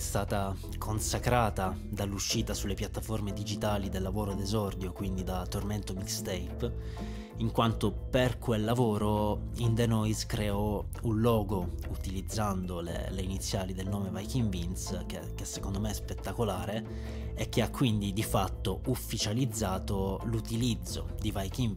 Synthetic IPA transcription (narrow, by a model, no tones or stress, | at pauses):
st̪aːt̪a | kʰonsakɾaːt̪a | d̪alːuʃːiːt̪asulːepjat̪ːaformed̪id͡ʒit̪aːlid̪elːavoːɾod̪ezɔrd̪jokwind̪id̪at̪ːorment̪omid̪st̪ejp | iŋkwant̪operkʰwelːavoːɾo | ind̪enɔjzkɾeɔ | unlɔːɡout̪ilid̪zːand̪olḛleinit̪sːjaːlid̪elnoːmevajkiɱvinskḛk̟esːekond̪omeɛspet̪ːakolaːɾe | ek̟ːeakːwind̪id̪ifat̪ːoufːit͡ʃalid̪zːaːt̪olut̪ilid̪zːo̰d̪ivajkin